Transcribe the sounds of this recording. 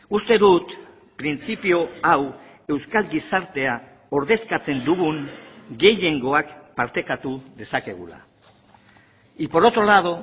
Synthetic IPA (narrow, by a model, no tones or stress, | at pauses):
ust̪e̞ðut̪ | pɾint͡sipio̞aw | e̞wskalɡisaɾt̪e̞a | o̞ɾðe̞skat͡se̞nd̪uɣuŋɡe̞je̞ŋɡo̞akpaɾt̪e̞kat̪uðe̞sake̞ɣ̞ṵla̰ | ipo̞ɾo̞t̪o̞lað̞o̞